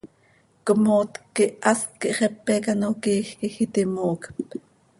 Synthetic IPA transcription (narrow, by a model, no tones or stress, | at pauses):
kəmoːt̪kːiʔʔɑst̪kiʔχɛpːɛkɑnokiːxkixit̪imoːkp